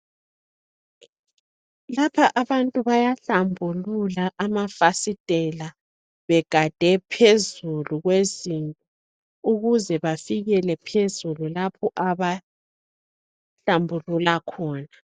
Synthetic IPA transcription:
lapʰaʔaβantʼuβajaɬambʱululaʔamafasid̥ʼʱɛla | βɛɡ̥ʱad̥ʱɛpʰezuluɣwezintʼɔ | uɣuzɛβafiɣɛlɛpʰezululapʰɔʔaβa | ɬambʱululakʰɔːna

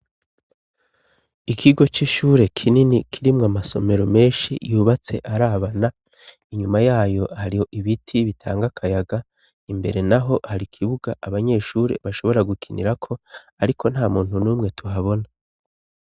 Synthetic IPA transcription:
ikʰiɡo̞t͡ʃiʃuːɾe̞kʰininikʰiɾimŋamaso̞me̞ɾo̞me̞ːnʃḭjuːβat͡se̞̰ʔaɾaβana | iɲumajaːjohaɾijo̞ʔiβitʰiβitʰa̰ːŋɡakʰajaɡa | imbe̞̰ɾe̞naɦo̞haɾikʰiβuɡaʔaβaɲe̞ʃuːɾe̞̰βaʃo̞βo̞ɾaɡukʰinḭɾakʰo̞ | aɾikʰo̞n̥haːmuːn̥unuːmŋe̞tuɦaβo̞na

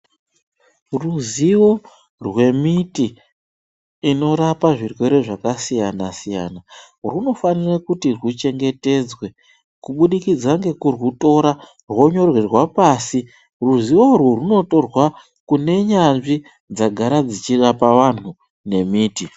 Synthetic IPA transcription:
ruziwo̞ | rwe̞miti | no̞ɾapaʐirwe̞ɾeʐakasijanasija̰ːna | runo̞fanirakutirwut͡ʃe̞ŋɡe̞te̞d͡zwe̞ | kuɓuɗikid͡zaŋɡe̞kurwuto̞ɾa | rwo̞ɲo̞rwerwapaːsi | ruziworworuno̞to̞rwa | kune̞ɲanʐi | d͡zaɡʱaɾad͡zit͡ʃirapaʋan̤u | ne̞miːti

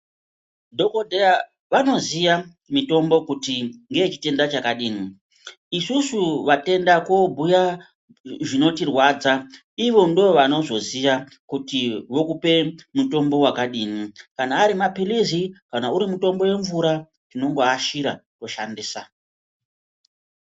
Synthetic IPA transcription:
dʱo̞kodʱeja | ʋano̞ziʋa | mito̞mbo̞kutiŋɡe̞ːt͡ʃi̥te̞ndat͡ʃakaɗiːni | isusuʋate̞ndakobʱuja | ʐino̞tirwaːd͡za | iʋo̞ndo̞ʋano̞ʐo̞ziʋa | kutiʋo̞kupe̞muto̞mbo̞wakaɗiːnikanaːɾimapilizikanauɾimuto̞mbo̞je̞ɱvuɾa | tino̞ŋɡoaʃiɾato̞ʃandiːsa

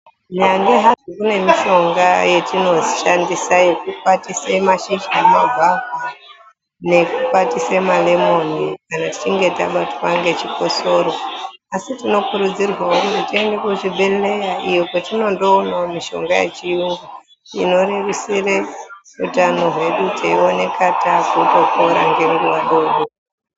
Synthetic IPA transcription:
ɲaŋɡeɦazikune̞miʃo̞ŋɡaje̞tino̞ʃandisaje̞kupatisemaʃid͡ʒamaɡʱaɡwa | ne̞kupatisemalemo̞nikanati̥t͡ʃiŋɡe̞ta̰ɓatwaŋɡe̞t͡ʃiko̞so̞ɾo̞asitino̞kuɾud͡zirwaonetiende̞kuʐibʱelle̞jaʔijokotino̞ndo̞ːnaomiʃo̞̰ŋɡajḛt͡ʃiuŋɡa | ḭno̞rerisire | utano̞ɦwe̞ɗutʰeione̞katakutokoɾa̰ŋɡeŋɡuwaɗoɗo

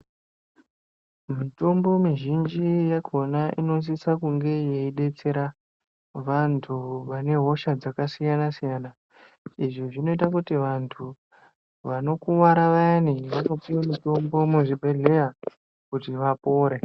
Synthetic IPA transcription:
mito̞mbo̞miʒind͡ʒijakʰo̞naʔino̞s̬isakuŋɡe̞jeiɗe̞t͡se̞ɾa | ʋantʰuʋane̞ɦo̞ʃad͡zakasijanasijana | iʐiʐino̞itakutiʋantʰu | ʋano̞kuwaɾaʋaaniʋakapiwomito̞mbo̞muʐiɓe̞ɮe̞ja | kutiʋapo̞ːɾe

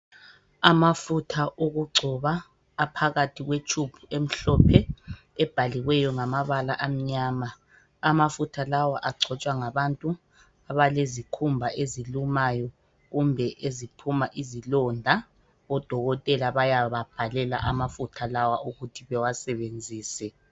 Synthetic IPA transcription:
amafutʰaʔoɣuɡ͡ǀʱɔβaː | pʰaɣatʰiɣwet͡ʃʰʼupʰuem̩ɬɔpʰɛ | ɛb̥ʱaliɣwɛjɔŋamaβalaʔam̩ɲaːma | amafutʰalawaʔaɡ͡ǀʱɔt͡ʃʼwaŋaβantʼu | aβalezikʰumbʱaʔezilumajɔ | ɣumbʱɛʔezipʰumaʔizilɔndʱa | ɔd̥ʱɔɣɔtʼɛlaβajaβab̥ʱalɛla̰ʔamafutʰalawauɣutʰiβɛwasɛβend͡zʱiːsɛ

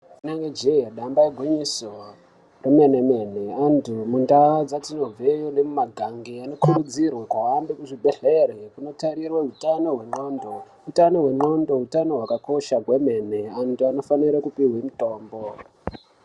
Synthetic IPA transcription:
inaŋɡed͡ʒejaɗambaeɡʱwiɲiso̞ | reme̞ne̞me̞ne̞antumundaod͡zatino̞b͡vejonemumaɡʱaŋɡeano̞kʰurud͡zirwakwaɦambekuʐibʱe̞ɮe̞ɾekuno̞taɾirweɦutano̞ɦwe̞ŋ͡ǃo̞ndo̞ɦutano̞ɦwe̞ŋ͡ǃondo̞ɦutano̞ɦwakako̞ʃaɡwe̞me̞ne̞antuano̞faniɾakupiɦwemito̞ːmbo̞

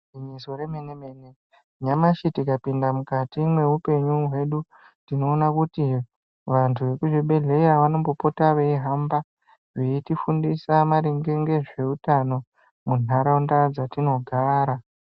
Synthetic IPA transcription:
iɲisoɾemeneme̞ne | ɲamaʃitikapindamukatimwe̞upe̞ɲuɦwe̞ɗu | tino̞ːnakuti | ʋantʰuʋe̞kuʐiɓe̞ɮe̞iɾaʋano̞mbo̞po̞taʋeiɦamba | ʐeitifundisamaɾiŋɡeŋɡe̞ʐe̞utano̞ | mun̤aɾaundad͡zatino̞ɡʱaːɾa

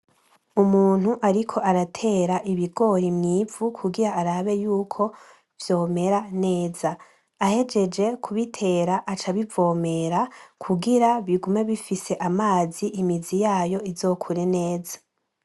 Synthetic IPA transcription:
umuːn̥huʔaɾikʰo̞ʔaɾatʰe̞ɾaʔiβiɡo̞ɾimŋiːvukʰuɡiɾaːɾaβe̞juːkʰo̞ | v̥jo̞ːme̞ɾane̞ːzaː | he̞d͡ʒe̞d͡ʒe̞kʰuβitʰe̞ɾaʔat͡ʃaβivo̞ːme̞ɾakʰuɡiɾaβiɡume̞βifise̞ʔamaːziʔimizijaːjo̞izo̞ːkʰuɾe̞ne̞ːza

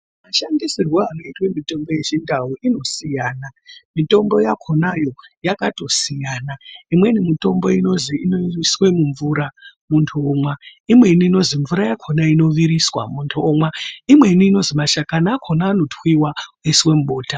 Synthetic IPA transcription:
maʃandisirwoano̞itwemito̞mbo̞je̞t͡ʃindauino̞sijaːnamito̞mbo̞jakʰo̞najo̞jakato̞sijaːnaimwe̞nimito̞mbo̞ino̞ziːnoiswe̞muɱvuɾamuntʰuːmwaimwe̞iniːno̞ziɱvuɾajakʰonaino̞ʋiɾiswa̰muntʰuːmwaimwe̞iniːno̞zimaʃakanaːkʰonaːno̞twiwauiswe̞muɓoːta

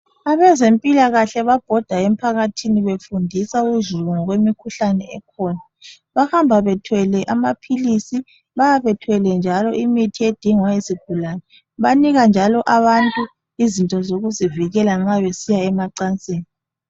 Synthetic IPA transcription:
aβɛzempʼilaɣaɬɛβab̥ʱɔd̥ʱaempʰaɣatʰiniβefundʱisauzuɣɔŋɔɣwemikʰuɬanɛɛ̰kʰɔːna | βahambʱaβɛtʰwɛlɛʔamapʰilisi | βajaβɛtʰwɛlɛnd͡ʒʱalɔʔimitʰied̥ʱiŋwaeziɡ̥ʱulanɛ | βaniɣand͡ʒʱalɔʔaβantʼu | izintʼɔzoɣuziviɣɛlaŋ͡ǁaβesijaɛmaǀant͡sʼeːni

